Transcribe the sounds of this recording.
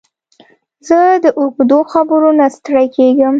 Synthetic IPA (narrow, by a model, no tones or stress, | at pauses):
zəd̪əʔʊɡd̪oxabəɾunast̪ɽajkeɡəm